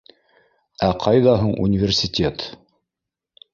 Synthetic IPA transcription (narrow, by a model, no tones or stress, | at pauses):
æqʰɑjðɑɦuɴʔṵnʲɪvʲɪrsʲɪt̪ʲet̪